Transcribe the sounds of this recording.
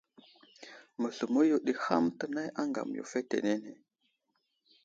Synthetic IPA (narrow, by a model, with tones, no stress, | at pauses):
mə˨ɬu˨mo˦ju˨ɗi˨ha˦mtə˨na˦ja˦ŋɡa̰˨m˨jo̰˨fe˦tḛ˨ne˦ne˨